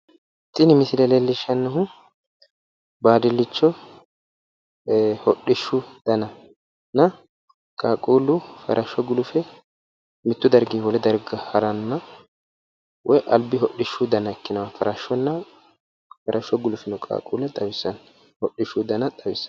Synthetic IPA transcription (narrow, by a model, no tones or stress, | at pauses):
t̪ʼɪnɪmɪsɪlɛlɛlːɪʃːɐnːɐɦʊ | baːd̪ɪlːɪt͡ʃːɔ | hɔɗːɪʃːʊd̪̥ɐnɐ | nɐ | kʼaːkʼuːlʊfɐ̰ɾʔɐʃːɔɡʊlʊfɛ | mɪt̪ːʊd̪ɐɾɡiːwɔlɛd̪ɐɾɡɐhɐɾɐnːɐ | wʔɔjʔɐlbɪɦɔɗːɪʃːʊd̪ɐnɐɛkːɪnɐwɐfɐɾɐʃːɔnːɐ | fɐɾʔɐʃːɔɡʊlʊfɛnʊkʼa̰ːkʼuːlɐt̪ʼɐwɪsːɐn | hɔɗːɪʃːʊd̪ɐnɐt̪ʼɐwɪsːɐ̥n